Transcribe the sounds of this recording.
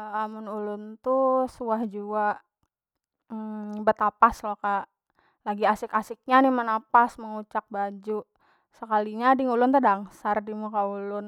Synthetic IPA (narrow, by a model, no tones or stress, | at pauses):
amʊnulʊnt̪usuahd͡ʒuaʔ | bət̪apaslokaʔ | laɡiasɪkasɪk̚ɲanɪhmənapasməŋut͡ʃak̚bad͡ʒuʔ | səkaliɲadɪŋulʊnt̪ədaŋsardimukaulʊn